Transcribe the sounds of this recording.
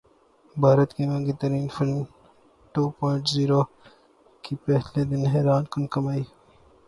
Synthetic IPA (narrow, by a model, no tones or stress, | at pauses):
bʱaːɾɐt̪kemɐ̃ŋɡit̪ɐɾiːnfɪlm | ʈuːpɔ̃ːɪ̃ɳʈziːɾoː | kipɛːsled̪ɪnɦɛːɾaːnkʊnkɐmaːiː